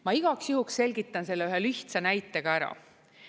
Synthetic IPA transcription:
mɑiɡ̥ɑksjuɦuksse̞lʲɡit̪ːˑɑnse̞lːeyɦelyht̪sɑnæjt̪ːˑe̞ɡ̥ɑæɾɑ̰

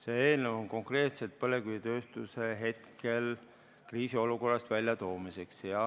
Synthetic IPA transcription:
se̞eːlnevo̞nko̞ŋkre̞ːt̪se̞t̪̚pɤle̞ɡ̥yjit̪ø̞ːst̪use̞ɦe̞t̪kʰe̞l | kriːsio̞luko̞rːɑst̪vælʲjɑt̪o̞ːmise̞ksjɑ

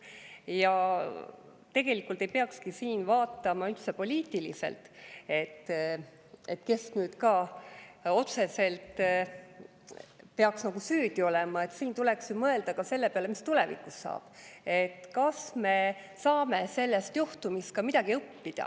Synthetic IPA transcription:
jɑ | t̪e̞ɡ̥e̞likːˑult̪ˑe̞jpeɑkskisiːnvɑːt̪ːˑɑmɑyt̪sepo̞lʲiːt̪ːˑilḭse̞̰lt̪e̞t̪ː | e̞t̪ːke̞snyːd̪kɑ | o̞t̪se̞se̞lt̪ | peɑksnɑɡ̥usyːd̪̥io̞lɛmɑe̞t̪siːnt̪ule̞ksjumɤe̞ld̪̥ɑkɑse̞lːepeɑlemist̪ule̞vḭkːˑusːɑ̰ːb̥e̞t̪ːkɑsme̞ | sɑːme̞se̞lːest̪juht̪umist̪̚kɑmid̪̥ɑɡ̥iɤpːid̪̥ɑ̰

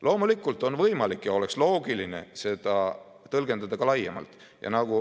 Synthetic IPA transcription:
lʔo̞ːmulikːˑult̪ˑo̞nvɤjmɑlikːjɑo̞lekslo̞ːɡiline̞̰se̞d̪̥ɑ | t̪ɤlɡ̥e̞nd̪̥ɑd̪̥ɑɡ̥ɑlɑjːemɑ̰lt̪ˑ | jʔɑ̰nɑɡ̥u

